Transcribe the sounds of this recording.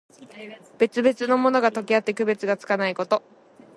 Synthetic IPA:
b̥e̞t͡sɨbe̞t͡sɨno̞mo̞no̞ɡat̪o̞kʲiat̪ːe̞kɯ̟be̞t͡sɨɡat͡sɨ̥kanaiko̞t̪o̞

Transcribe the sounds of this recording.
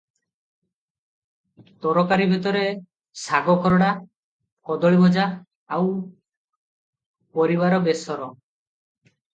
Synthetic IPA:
t̪ɔɾɔkaɾibʱit̪ɔɾe | saɡɔkʰɔɾɔɽa | kɔd̪ɔɭibɔd͡ʒa | aw | pɔɾibaɾɔbesɔɾɔ

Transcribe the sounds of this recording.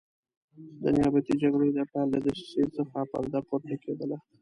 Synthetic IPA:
d̪ənɪjɑbat̪id͡ʒaɡɽojd̪apald̪ad̪əʃsesaxapa̰ld̪apoɾt̪aked̪əla

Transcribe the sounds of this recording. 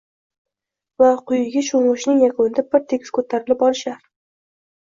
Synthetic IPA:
vaqʰʊjɪɡʲaʃomʊʃnɪŋjakʰonɪd̪abɪɾt̪ʰe̞kʲskʰɵt̪ʰaɾɪlɪpɒlɪʃaɾ

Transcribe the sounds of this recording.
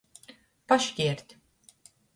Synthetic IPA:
paʃcʲiɛɾt̪

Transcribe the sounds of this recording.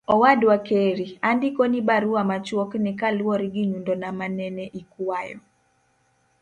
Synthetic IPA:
ɔwadwakeɾiandikonibaɾuamat͡ʃwɔknɪkalwɔɾɡiɲundonamanɛnɛʔikwwajɔ

